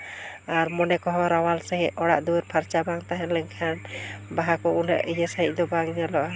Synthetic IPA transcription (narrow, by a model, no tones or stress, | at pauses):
aɾmɔnɛkɔɦɔɾawalsɛɦɛʔɔɽa̰ʔd̪uwəɾpʰaɾt͡ʃabaŋt̪aɦɛ̃lɛɲkʰanbaɦakɔunə̰ʔijəsəɦḭc̚ˀd̪ɔbaŋɲalɔʔa